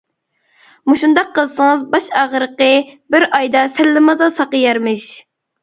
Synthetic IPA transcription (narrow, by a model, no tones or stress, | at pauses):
muʃund̪ɑqʰːəlˠsəŋɨzbɑʃɑʁəɾəqəbɪɾɑjd̪ɑsælːɪmɨzɑsɑqəjɛɾmɪʃ